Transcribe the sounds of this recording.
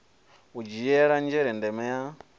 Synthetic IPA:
ud͡ʒijɛɺand͡ʒɛɾɛndɛmɛja

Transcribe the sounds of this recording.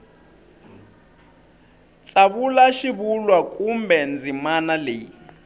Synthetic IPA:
t͡sʼaβulaʃiβulwakʼumbɛnd͡zʱimanaleː

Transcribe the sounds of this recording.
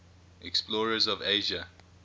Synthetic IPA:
ʔɛksplɔːɹəzɔveɪʒə

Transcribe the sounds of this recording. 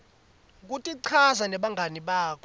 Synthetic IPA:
k̬utʼiǀʰazanɛɓaŋʱaniɓaːkʰɔ

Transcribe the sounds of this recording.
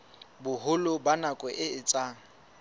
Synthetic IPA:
bʊɦʊlʊbanakʼɛʔɪɪt͡sʼaːŋ̩

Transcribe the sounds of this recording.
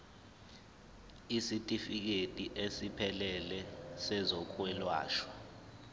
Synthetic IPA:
isitʼifik̬etʼiʔesipʰɛlɛlɛsɛzɔkʰwɛlwa̰ːʃwa

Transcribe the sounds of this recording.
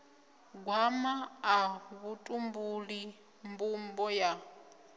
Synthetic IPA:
ɡwamaː | βutʼumbuli | mbumbɔja

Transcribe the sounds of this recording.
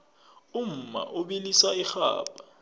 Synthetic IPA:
um̩ma̰ʔuɓilisaixa̰ːɓa

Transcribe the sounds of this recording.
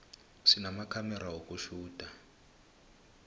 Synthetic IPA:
ʂinamakʰamɛɾaɦokuʃuːd̥ʱa

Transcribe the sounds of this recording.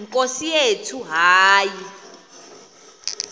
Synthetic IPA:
ŋkʼosijetʰuɦaːji

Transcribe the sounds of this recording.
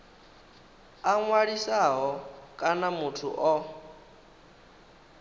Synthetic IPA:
aŋwaɺisaɦɔkʼanamutʰṵʔɔ

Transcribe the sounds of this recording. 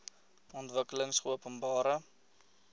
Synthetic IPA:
ɔntvəkələŋsχəuəpənbɑːɾə

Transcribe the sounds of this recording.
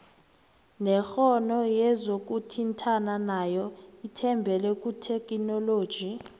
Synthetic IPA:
nɛxɔnɔjɛzok̬ʼutʰintʰananajɔitʰɛmbʱɛlɛkʼutʰekʼinɔloːd̥ʒ̥ʱi

